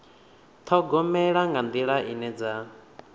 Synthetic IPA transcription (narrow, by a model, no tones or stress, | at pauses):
t̪ʰɔɡɔmɛɺaŋɡand̪iɺaʔinɛd͡za